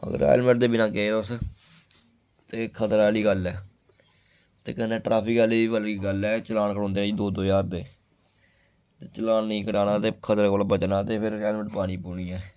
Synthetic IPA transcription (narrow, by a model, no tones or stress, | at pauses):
ə̰ɡə̰ɾɛ̰ːlməʈ̚d̪eːbɪnãːkeːt̪ʊs | t̪eːkʰət̪əɾaːliːɡəlɛː | t̪ḛːkənːẽːʈɾʔaːpʰɪkəːliːiːbəliɡəlɛːt͡ʃəlaːnkəɾõːnd̪eːd͡ʒid̪oːd̪oːjaːɾd̪eː | t̪eːt͡ʃəlaːnnĩːkəɽaːnaːt̪eːkʰət̪əɾkoːlbət͡ʃnaːt̪eːpʰɪɾɛːlməʈpaːniːpuːɳiːɛː